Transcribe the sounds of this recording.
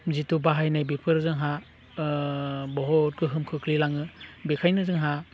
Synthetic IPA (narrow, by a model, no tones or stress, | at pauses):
zitubaɦajnajbipʰɯɾzɯŋɦa | bɔɦɔt̚kɯɦɯmkʰɯkʰlilaŋɯbekʰajnɯzɯŋɦa